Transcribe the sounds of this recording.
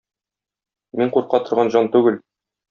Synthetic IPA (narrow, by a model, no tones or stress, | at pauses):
miɴquɾqɑt̪ŏɾʁɑnʑɒnt̪ʉɡɘl